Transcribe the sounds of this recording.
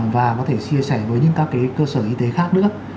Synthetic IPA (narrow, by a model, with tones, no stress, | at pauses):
mvaː˨˩kɔ˨˦t̪ʰe˧˩t͡ɕi˧əsa˧˩jvəː˨˦jɲɨ̰˧˥ŋkaː˦˥kːaː˨˦jkəː˧səː˧˩ʔi˧t̪e˨˦xaː˦˥k̚nɨ̰˧˥ə